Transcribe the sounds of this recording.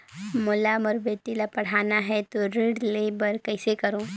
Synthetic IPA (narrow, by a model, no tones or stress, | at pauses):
molaməɾbet̪ilapɐɽ̤anaɦɛt̪oɾeɽlebəɾkəjsekəɾõ